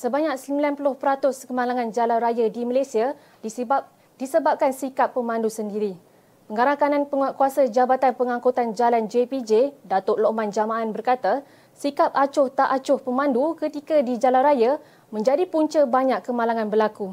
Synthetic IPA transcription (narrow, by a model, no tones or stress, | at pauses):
səbaɲak̚səmbilanpulʊhpəɾat̪ʊskəmalaŋãnd͡ʒalanrajadimalasia | disəbap̚kansikapːəmãndusəndiɾi | pəŋaɾahkanãnpəŋkuasad͡ʒabat̪anpəŋãŋkot̪and͡ʒaland͡ʒepid͡ʒedat̪ʊʔloʔmãnd͡ʒamaʔanbərkat̪a | sikap̚at͡ʃʊht̪aʔat͡ʃʊhpəmãndukət̪ikadid͡ʒalanraja | mə̃ɲd͡ʒadipuɲt͡ʃəbaɲakːəmalaŋãnbəlaku